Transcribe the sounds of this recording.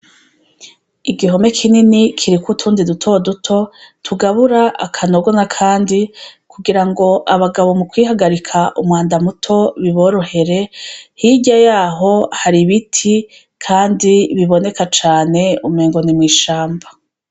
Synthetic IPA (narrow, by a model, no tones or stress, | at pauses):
iɡiɦo̞me̞kʰininikʰiɾikutʰuːndidutʰo̞dutʰo̞tʰuɡaβuɾaʔakʰano̞ɡo̞nakʰaːndikʰuɡiɾaŋɡo̞ʔaβaɡaβo̞mukwiːhaɡaɾikʰaʔumwaːndamutʰo̞βiβo̞ɾohe̞ɾe̞hiɟajaːɦo̞haɾiβitʰi | kʰaːndiβiβo̞ne̞kat͡ʃaːne̞umeːŋɡo̞nimŋiːʃaːmba